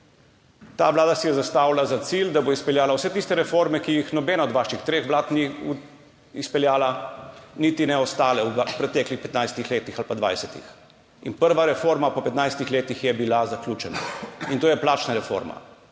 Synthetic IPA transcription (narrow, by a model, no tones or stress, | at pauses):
t̪aʋlaːd̪asɛjɛzast̪aːwlazat̪sild̪aboispɛljaːlawsɛt̪ist̪ɛɾɛfoɾmɛkijixnɔbɛːnaɔd̪ʋaːʃixt̪ɾeːxʋlaːt̪ni | ispɛljaːlanit̪inɛɔst̪aːlɛwpɾɛt̪ɛːklixpɛt̪najst̪ixleːt̪ixalpad̪ʋa̰jsɛt̪ḭx | ḭnpəɾʋaɾɛfoːɾmapɔpɛt̪najst̪ixleːt̪ixjɛbilazaklʲuːt͡ʃɛna̰int̪oːjɛplat͡ʃnaɾɛfo̰ɾma̰